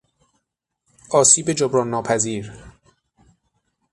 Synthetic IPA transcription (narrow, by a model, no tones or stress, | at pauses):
ʔɒːsiːbed͡ʒobɾɒːnːɒːpʰæziːɾ